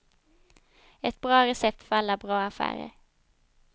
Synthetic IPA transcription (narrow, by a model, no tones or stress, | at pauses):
ɛt̪̚bɾɑːɾɛsɛp̚t̪fœɾalːabɾɑːafæ̰ːɾə̰ɾ